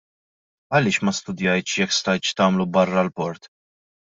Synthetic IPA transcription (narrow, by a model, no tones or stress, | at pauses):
ɐlɪːʃmɐst̪ʊd̪jɐjt̪t͡ʃjɛkːst̪ɐjt̪t͡ʃt̪ɐːmlubɐrːɐlpɔɾt̪